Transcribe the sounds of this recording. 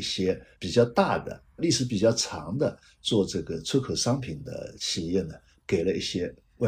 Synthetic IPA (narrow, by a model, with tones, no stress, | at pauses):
i˥˩ɕjɛ˥pi˨˩t͡ɕjɑ˥˧ʊt̪a˥˩d̪ə̰˩ | li˥˩ʂɻ̩˧˥p̬i˨˩t͡ɕjɑ˥˩ʊʈ͡ʂʰɑ̰˧˥ŋd̪ə˧ | t͡swɔ˥˧ʈ͡ʂɤ˥˩ɡə˩t͡sʰwə˥kʰɤ˨˩ʂɑ˥ŋpʰi˨˩nd̪ə̰˦ɕi˨˩jɛ˥˩nə˩ | ke˨˩ɪlə˦i˥˩ɕjɛ˥ | we˥˩